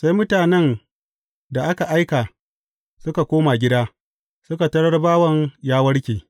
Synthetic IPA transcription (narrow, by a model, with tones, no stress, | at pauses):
sa˦jmʊ˦taː˨nɛ˦n | da˨ʔa˦ka˨ʔa˦jkaː˨ | sʊ˦ka˨kʷoː˦ma˨ɡʲɪ˦daː˦ | sʊ˦ka˨tɐ˦ɽɐ˦rbaː˦wɐ˨ŋjaː˦wɐ˦ɽkʲeː˨